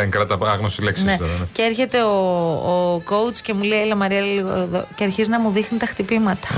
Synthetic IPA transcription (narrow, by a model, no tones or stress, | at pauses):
eŋkɾɐt̪ɐpɐɣnosileksinset̪oɾɐneceeɾçe̞t̪e̞oː | ko̞ut͡sce̞mulelɐmɐɾiɐlliɣo̰ɾðo̰ceɐɾçiznɐmuðixnit̪ɐxt̪ipimɐt̪ɐ̥